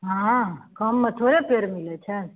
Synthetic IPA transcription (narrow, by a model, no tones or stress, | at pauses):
ɦãkəmːət̪ʰoɾepeɾmilet͡ʃʰe